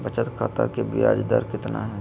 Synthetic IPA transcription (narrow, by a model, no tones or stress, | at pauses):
bət͡ʃət̪kʰaːt̪a̰kebɪja̰ːd͡ʒd̪aɾkɪt̪na̰ɦɛː